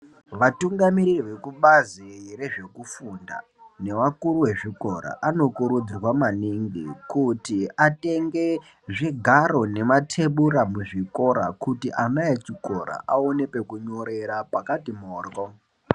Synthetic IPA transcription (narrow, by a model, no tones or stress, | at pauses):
ʋatuŋɡamiɾiriʋe̞kuɓazire̞ʐe̞kufunda̰ | ne̞ʋakuɾuwe̞ʐiko̞ɾa̰ʔano̞kuɾud͡zirwamaniŋɡḭkutiate̞ŋɡe | ʐiɡʱaɾo̞ne̞matʰe̞ɓuɾamuʐiko̞ɾa̰kutiʔamajet͡ʃiko̞̰ɾa̰ʔaone̞pe̞kuɲo̞ɾe̞ɾapakatimoːrɡo